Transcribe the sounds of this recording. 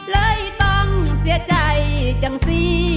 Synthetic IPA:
ləː˧˦jt̪ɔ˧˥nsi˧˥ət͡ɕa˨˧˩jt͡ɕa˨˩ŋsi˧

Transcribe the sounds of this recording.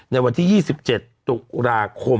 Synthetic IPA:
na˧jwa˧nt̪ʰiː˥˩iː˥˩si˨˩p̚t͡ɕe˨˩t̪ːu˨˩k̚ɾaː˧kʰo˧m

